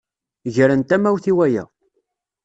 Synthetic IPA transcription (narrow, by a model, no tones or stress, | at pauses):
ʝəɾənt̪æmæwθiwæjæ̰